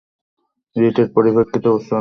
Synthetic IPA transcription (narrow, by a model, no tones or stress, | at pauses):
ɾiʈeɾpoɾibekʰːit̪ooʃa